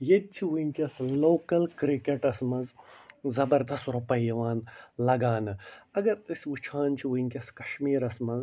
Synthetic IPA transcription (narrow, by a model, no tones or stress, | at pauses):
jed̪̚ʲt͡ʃʰiʋuŋʲkʲɐsloːkɐlkɾikeʈɐsmɐzzɐbɐɾd̪ɐsɾɐpɐjɐʋaːnlɐɡaːnɨɐɡɐɾisʋut͡ʃʰaːnt͡ʃʰiʋuŋʲkʲɐskɐʃmiːɾɐsmɐz